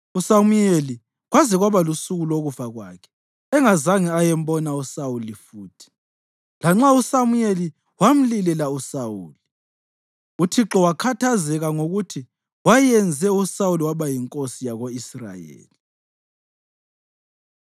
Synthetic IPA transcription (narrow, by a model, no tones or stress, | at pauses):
usamujeli | ɣwazɛɣwaβalusuɣuloɣuvaɣwa̰kʰɛ̥ | ɛŋazaŋiajɛm̩bɔnausawulifuːtʰi̥ | laŋ͡ǁausamujeli | wam̩lilɛlausauːli | utʰiǁɔwakʰatʰazɛɣaŋoɣutʰi | wajɛnd͡zʱɛusawuliwaβajiŋkʼosijaɣoisra̰jḛːli